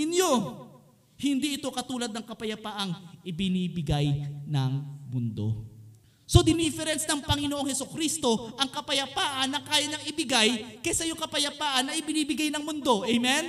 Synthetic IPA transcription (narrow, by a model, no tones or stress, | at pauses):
ɪnjo | hɪnd̪iʔɪt̪o̞kɐt̪uːlɐd̪̚nɐŋkɐpɐjɐpaːʔɐŋʔɪbɪniːbɪɡajnɐŋmʊnd̪o̞̰ | so̞d̪ɪnifɛɾɛnsnɐŋpɐŋɪnoʔo̞ŋhɛsokɾist̪o̞ʔɐŋkɐpɐjɐpaːʔɐnːɐkaːjɐɲɐŋɪbɪɡajkɐsɐjoŋkɐpɐjɐpaːʔɐnːɐʔɪbɪniːbɪɡajnɐŋmʊnd̪o̞ʔɛjmɛn